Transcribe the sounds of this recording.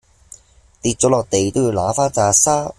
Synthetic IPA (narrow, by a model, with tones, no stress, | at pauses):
t̪iː˧t̚t͡sɔː˨˥lɔː˨k̚t̪e˨jt̪o˥wji˧wlaː˨˥faː˥nt͡saː˧saː˥